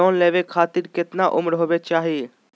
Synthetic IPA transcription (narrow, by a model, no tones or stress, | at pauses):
ɔːnlɛːʋeːkʰaːt̪ɪɾkɪt̪naːʔʊmɾɦoːʋeːt͡ʃaːɦiː